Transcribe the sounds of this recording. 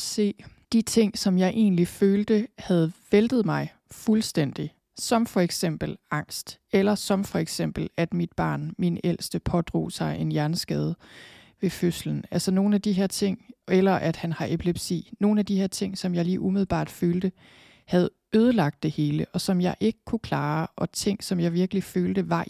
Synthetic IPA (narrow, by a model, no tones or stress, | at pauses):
se̝̰ːd̥it͡sʰe̝ŋ̰sɒ̽mjɑ̈ɪʔe̝̰ːnliføːld̥əhæð̞ˠʋeld̥ð̞̩ˠmɑ̈ɪ | fulsd̥en̰d̥i | sɒ̽mfɒ̽eɡ̥sem̰b̥l̩ɑ̈ŋ̰sd̥ | elɐsɒ̽mfɒ̽eɡ̥sem̰b̥l̩æd̥mid̥̚b̥ɑ̰̈ːnminel̰sd̥əpʰɒ̽d̥ʁo̝̰ːsɑ̈ɪʔe̝njæɐnəsɡ̥ɛːð̞ˠ | ʋe̝føslən̩ælsɐno̝ːn̩æd̥iɦeɐ̰t͡sʰe̝ŋ̰elɐʔæd̥hænhɑ̈ʔepʰleb̥sḭːno̝ːn̩æd̥iheɐ̰t͡sʰe̝ŋ̰sɒ̽mjɑ̈ɪliːʔumiðˠl̩ˠb̥ɑ̰̈ːd̥føːld̥ə | hæð̞̩ˠ | øːð̞ˠəlɑ̈ɡ̥̚d̥e̝he̝ːləʔɒ̽sɒ̽mjɑ̈ɪʔe̝ɡ̥əkʰukʰlɑ̈ːʔɒ̽t͡sʰe̝ŋ̰sɒ̽mjɑ̈ɪʋiɐɡ̥əliføːld̥əʋɑ̈